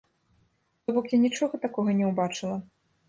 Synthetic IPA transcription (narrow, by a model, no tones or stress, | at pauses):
t̪ɔbɔkjanʲit͡ʂɔɣɐt̪akɔɣɐnʲɛwbat͡ʂɨlˠɐ